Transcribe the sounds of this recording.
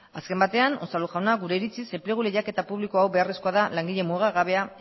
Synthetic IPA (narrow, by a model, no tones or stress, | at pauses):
aske̞mbat̪e̞anosaluʝawnaɣuɾe̞iɾit͡sisemple̞ɣ̞ule̞jake̞t̪apuβlikoawbe̞aresko̞aðalaŋɡiʎe̞muɣaɣaβ̞e̞a